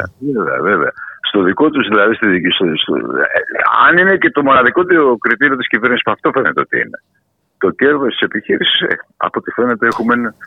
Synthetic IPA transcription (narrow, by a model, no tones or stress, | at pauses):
veveɐ̰ve̞veɐ̰st̪o̞ðiko̞t̪uzðilɐðist̪iðst̪ost̪o̰ | ɐ̰nine̞ce̞t̪o̞mo̞nɐðiko̞t̪iokɾit̪iɾio̞t̪iscive̞ɾnisi̥spuɐft̪o̞fe̞ne̞t̪eot̪ḭḭne̞ | t̪o̞ce̞ɾðost̪i̥se̞piçiɾisi̥sḛɐ̰po̞t̪ife̞ne̞t̪e̞exumen